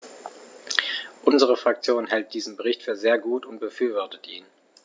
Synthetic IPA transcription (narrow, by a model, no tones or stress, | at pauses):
ʔʊnzəʁəfʁ̥akt͡sjoːnɦɛlt̚d̥iːzm̩bəʁɪçtfyːɐzeːɐɡuːtʊnt̚b̥əfyːɐvɔɐtətʰʔiːn